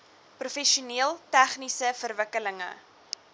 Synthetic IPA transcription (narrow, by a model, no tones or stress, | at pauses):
prufɛʃuniəlˠtæχnisəfərvəkələŋə̰